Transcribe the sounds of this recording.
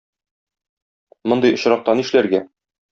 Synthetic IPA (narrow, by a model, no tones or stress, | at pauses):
mŏnd̪ɤjŏɕɾɑq̚t̪ɑniʃlæɾɡæ